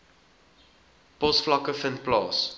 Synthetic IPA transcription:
pɔsflɐkəfənplɑːs

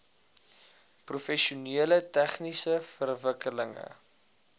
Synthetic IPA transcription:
prufɛʃuniələtæχnisəfərvəkələŋə̰

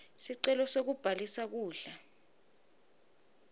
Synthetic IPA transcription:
siǀɛlɔsok̬ub̥ʱalisak̬uːɮa

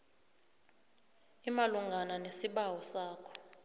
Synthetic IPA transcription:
imaluŋɡʱananesiɓawɔsaːkʰɔ̥

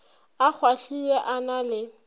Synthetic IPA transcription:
ak͡xʰwaɬiɛʔanalɪ

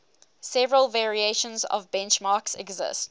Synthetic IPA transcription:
sɛvəɹəlˠvɛɹieɪʃə̃nzɔ̰vbɛ̃nt͡ʃmɑːˑksɛɡzɪ̰st

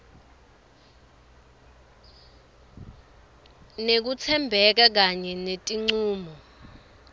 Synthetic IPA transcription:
nek̬ut͡sʰɛmbʱɛk̬ak̬aɲɛnetʼiŋ͡ǀuːmɔ

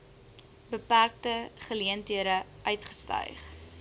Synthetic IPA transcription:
bəpærk̚təχəliəntiəɾəʔœɥtχə̥stœ̰jχ

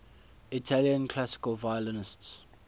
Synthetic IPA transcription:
itʰaljə̃nkʰl̥asɪ̥kəlvajələnɪsts

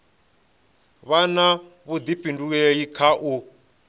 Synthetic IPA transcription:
βana | βud̪ipʼinduɛikʰaʔu

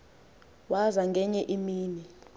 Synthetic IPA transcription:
wazaŋɡʱɛɲɛʔimiːni

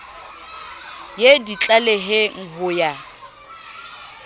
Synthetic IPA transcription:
jedit͡ɬʼaleɦɪŋ̩ɦʊja

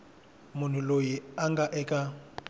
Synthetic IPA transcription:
mʊn̤ʊlojiaŋɡaʔɛkʼa

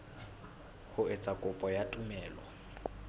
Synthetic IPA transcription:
hʊɪt͡sʼakʼʊpʼɔjatʼʊmɛːlɔ̰

